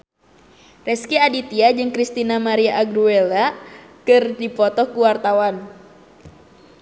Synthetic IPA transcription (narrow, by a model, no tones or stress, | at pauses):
rɛskiadit̪iad͡ʒɨŋkɾist̪inamaɾiaʔːɡɾuelakɨrdipɔt̪ɔkuwart̪awan